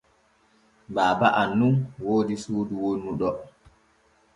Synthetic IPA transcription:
baːbaʔanːunwoːdisuːduwonːuɗɔ

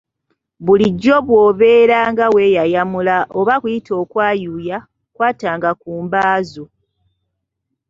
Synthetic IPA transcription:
βuliɟːo̞βwo̞ːβe̞ːɾaːŋɡawe̞jajamulaʔo̞βakujitʰo̞ːkwaːjuːja | kwaːtaːŋɡakuːmbaːzo

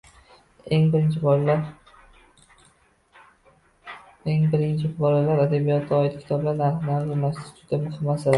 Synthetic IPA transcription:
eŋbɪɾɪnt͡ʃʰɪblaɾ | eŋbɪɾɪnt͡ʃʰɪbɒlalaɾad̪abijɒt̪ʰːaɒːɪt̪̚kʲʰɪ̥t̪ʰɒblanːaɾχnaɾzanast̪ɪ̥t̪ʰd̪̥amʊhɪmːasɪla

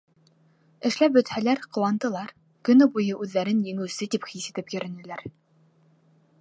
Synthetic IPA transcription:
ɘ̆ʃlæp̚bɵ̆t̪hælæɾqɤ̆wɑnt̪ɤ̆lˠɑɾ | kɵ̆nɵbujɤʔʉðːæɾɘnjɘ̆ŋɘ̆wsɘt̪ipχisit̪ɘpjɵ̆ɾɘ̆nɘ̆læɾ

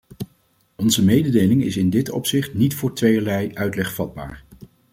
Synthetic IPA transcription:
ɔnzəmejdədejlɪŋɪsɪndɪtɔ̰psɪχtnitfʊːɹtʋejəlɛjʔœɥtlɛχfɑd̚ba̰ːɹ

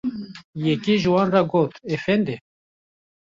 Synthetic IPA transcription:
jɛkiʒɨwɑnrɑɡoːt̪efɛnd̪e

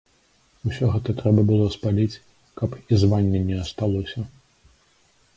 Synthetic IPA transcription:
usʲɔɣɛt̪ɐt̪ɾɛbɐbɨlˠɔspalʲit͡sʲ | kɐpizvanʲːɛnʲɛɐst̪alˠɔsʲɐ

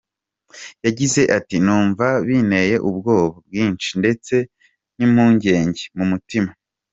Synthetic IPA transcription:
jaɟize̞ʔatinuːɱvaβine̞je̞ʔub̚ɡo̞ːβab̚ɡiːnt͡ʃinde̞t͡se̞ | nimhuːɲɟe̞ːɲɟemumutima

